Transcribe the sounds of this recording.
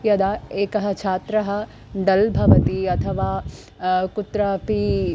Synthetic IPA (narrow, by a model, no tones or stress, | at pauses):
jɐd̪aːeːkɐɦɐt͡ʃʰaːt̪ɾɐɦɐ | ɖɐlbʱɐʋɐt̪iɐt̪ʰɐʋaː | kut̪ɾapi